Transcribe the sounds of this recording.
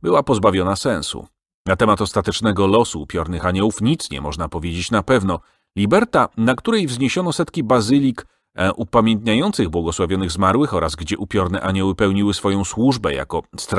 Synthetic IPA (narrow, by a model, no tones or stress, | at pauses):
bɘwapɔzbavʲjɔnasɛnsṵ | nat̪ɛmat̪ɔst̪at̪ɛt͡ʂnɛɡɔlɔsuːpʲjɔɾnɘxaɲɛwufɲit̪sɲɛ̰mɔʐnapɔvʲjed͡ʑet͡ɕnapɛvnɔ | lʲibɛɾt̪anakt̪uɾɛjvzɲeɕɔnɔsɛt̪kʲibazɘlʲik | ʔupamʲjɛnt̪ɲajɔnt̪sɘɣbwɔɡɔswavʲjɔnɘɣzmaɾwɘxɔɾazɡd͡ʑɛʔupʲjɔɾnɛʔaɲɛwɘpɛwɲiwɘsfɔjɔ̃w̃swuʐbɛja̰kɔst̪